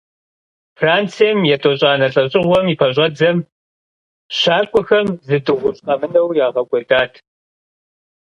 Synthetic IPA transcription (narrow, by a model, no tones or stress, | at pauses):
fraːnt͡sʰijɛmjɛtʼoɕʼaːnɐɬʼɐɕʼɪʁʷɔmipʰɐɕ̬ʷʼɐd͡zɐm | ɕaːkʷʼɔxɐmzɨdʼɨʁʷʊɕʼqɐmɨnɐwjaːʁɐkʷʼɔdaːtʰ